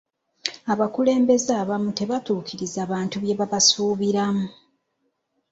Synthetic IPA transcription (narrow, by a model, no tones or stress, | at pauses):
aβakule̞ːmbe̞zaːβamute̞βatuːkʰiɾizaβaːntuβje̞βaβasuːβiɾamu